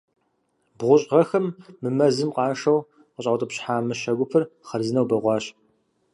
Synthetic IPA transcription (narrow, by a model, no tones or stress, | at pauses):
bʁʷʊɕʼʁɐxɐmːɨmɐzɨmqɑːʂɐw | qəɕʼɐwtʼəpɕħaːmɨʃɐɡʷʊpʰɨrχɐrzɨnɐwbɐʁʷɑːɕ